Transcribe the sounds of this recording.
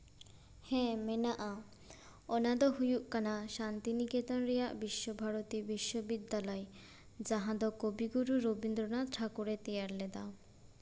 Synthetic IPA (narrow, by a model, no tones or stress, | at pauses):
hɛ̃menaʔa | ɔnad̪ɔɦujuʔkanaʃant̪iniket̪ɔnɾijaʔbiʃːobʱaɾot̪ibiʃːobid̪ːalɔj | d͡ʑaɦãd̪ɔkobiɡuɾuɾobind̪ɾonaʈʰakuɾet̪ɛjaɾled̪a